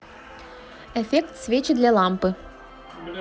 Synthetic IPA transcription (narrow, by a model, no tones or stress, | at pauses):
ɛfʲekt̪svʲet͡ɕɪd̪lʲɐlˠampɨ